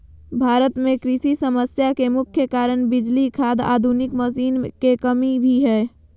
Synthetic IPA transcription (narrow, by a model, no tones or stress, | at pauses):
bʱaːɾət̪mẽkɾisisəməsjakemʊkʰjəkaɾənbɪd͡ʒlikʰad̪a̰ːd̪ʱunɪkməsiːnkekəmibʱiɦɛː